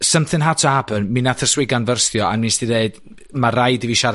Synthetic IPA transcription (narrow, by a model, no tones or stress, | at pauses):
səmθɨnɦatʰɔabənminaθʰəswɪɡanvərsθjɔa̰nminstideɨd̥ | marajdiviʃaɾ